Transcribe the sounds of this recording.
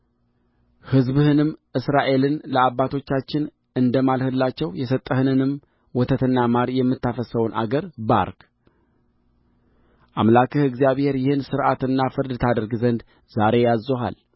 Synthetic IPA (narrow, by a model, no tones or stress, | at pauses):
hɨzbhɨnɨmʔɨsɾaʔe̞lɨnləabːat̪ʰo̞t͡ʃːat͡ʃːɪn | ɨnd̪əmalhɨlːat͡ʃːɛwjɛsət̪ʼːəhɨnɨnɨm | wɔt̪ʰət̪ɨnːamaɾjɛmːɨt̪ːafəsəwnʔa̰ɡəɾba̰ɾk | ʔamlakʰɨhɨɡzijaβhe̞ɾjɪhɨnsɨɾʔat̪ɨnːafɨɾd̪ɨt̪ʰad̪əɾɡzənd̪ | zaɾe̞jazːoɦa̰l